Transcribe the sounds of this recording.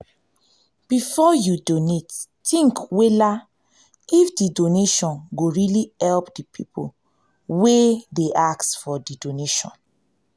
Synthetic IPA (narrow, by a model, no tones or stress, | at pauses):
b̥ifɔjudonet | tĩŋkwela | ifdidoneʃɔ̃nɡoɹiliɛlpdipʰipʰo̰ | wedeʔaktfɔdidoneʃɔ̰̃n